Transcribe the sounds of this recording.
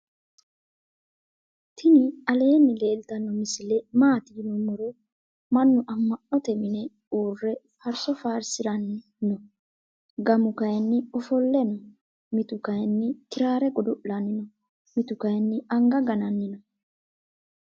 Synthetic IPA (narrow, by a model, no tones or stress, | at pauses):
t̪ɪnɪɐle̞ːnːɪle̞ːlt̪ɐnːɔmɪsɪlɛmaːt̪ɪnʊmʊɾɛ | mɐnːʊʔɐmːɐʔɔt̪ɛmɪnɛ | uːrːɛ | fɐɾsɔfaːɾsɪɾɐnːɪ | nɔ | ɡɐmʊkɐjnːɪɔfɔlːɛnɔ | mɪt̪ʊkɐjnːɪkɪɾaːɾɛɡɔd̪ɔʔlɐnːɪnɔ | mɪt̪ʊkɐjnːɪɐŋɡɐɡɐnɐnːɪnɔ